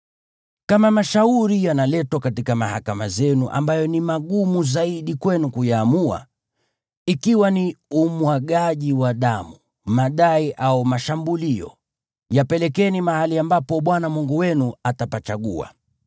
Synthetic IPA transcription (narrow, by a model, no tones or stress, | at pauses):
kamamaʃauɾijanalɛtwakatikamahakamazɛnuʔa̰mbajɔnimaɠumuzaiɗikwɛnukujaːmua̰ | ikiwaniumwaɠaʄiwaɗamu | maɗaiʔaumaʃambuliɔ̰ | japɛlɛkɛnimahaliambapɔɓwanamuŋɡuwɛnuatapat͡ʃaɠṵa̰